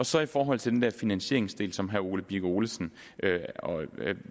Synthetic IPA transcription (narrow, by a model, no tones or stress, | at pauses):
ɒ̽sɒ̽ifɒːɦɒ̽l̰t͡sʰe̝d̥end̥ɛɐfinænɕe̝̰ɐeŋsd̥e̝̰ːlsɒ̽mɦæo̝ːləb̥iɡ̥o̝ːləsn̩ | øɒ